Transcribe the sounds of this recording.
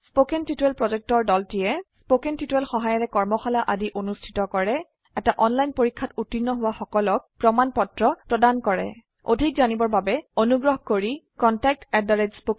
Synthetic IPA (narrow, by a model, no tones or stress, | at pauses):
spokɛntituɛlpɹɔzɛk̚tɔɹdɔltijɛspokɛntituɛlxɔɦajɔɹɛkɔɹmɔxalaʔadiʔonustʰi̥tɔkɔɹɛ | ɛtaʔɔnlajnpoɹikʰːatutinːɔɦʊwaxɔkɔlɔk̚pɹɔmanpɔtɹɔpɹɔdankɔɹɛ̰ | o̰dʱikzanibɔɹbabɛonuɡɹɔɦkoɹikɔntɛk̚tɛdaɹed͡ʒspok